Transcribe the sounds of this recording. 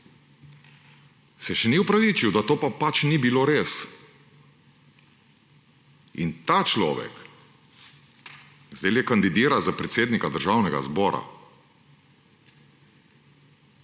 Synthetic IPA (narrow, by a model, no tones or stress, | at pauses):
sɛʃɛniɔpɾaʋiːt͡ʃiwd̪at̪oːpapat͡ʃnibiloːɾeːs | ḭnt̪at͡ʃlɔ̰ːʋɛ̰k | zd̪eljɛkand̪id̪iːɾazapɾɛt̪seːd̪nikad̪əɾʒaːwnɛɡa̰zbɔːɾa̰